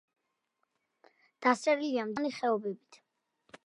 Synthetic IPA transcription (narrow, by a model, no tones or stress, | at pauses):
d̪̥ast̪ʼɛɾiliamd̪aniχɛɔbɛbit̪ʰ